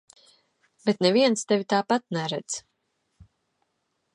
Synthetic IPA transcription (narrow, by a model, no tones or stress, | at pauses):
bɛt̪nɛviɛnst̪ɛvʲit̪aːpat̪̚nɛɾɛd̪z